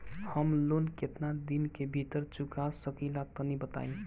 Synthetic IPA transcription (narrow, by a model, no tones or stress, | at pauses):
həmlonkɪt̪nad̪inkebʱit̪əɾt͡ʃʊkasəkilat̪ənibət̪a̰ːĩ